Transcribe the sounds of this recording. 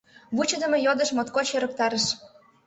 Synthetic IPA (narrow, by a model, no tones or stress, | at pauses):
βut͡ɕə̆d̪ə̆mejod̪ə̆ʃmot̪koɕøɾə̆k̚t̪ɑɾə̆ʃ